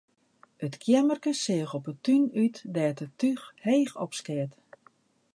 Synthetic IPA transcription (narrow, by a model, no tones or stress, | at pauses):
ətkʰjɛmərkəsɪəxɔpətynytdɛːtətyxheːxɔ̰pskɪət